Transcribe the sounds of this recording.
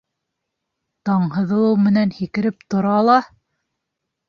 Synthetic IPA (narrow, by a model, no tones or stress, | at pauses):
t̪ɑɴɦɤ̆ðɤ̆lˠɤwmɘ̆nænhikɘ̆ɾɘp̚t̪ŏɾɑlˠɑ